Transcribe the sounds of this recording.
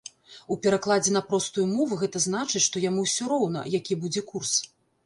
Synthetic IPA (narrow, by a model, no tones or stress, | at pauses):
upʲɛɾaklˠad͡zʲɛnɐpɾɔst̪ujumɔvɨɣɛt̪ɐznat͡ʂɨt͡sʲʂt̪ɔjamuwsʲɔɾɔwn̪ɐ̰jakʲibud͡zʲɛkurs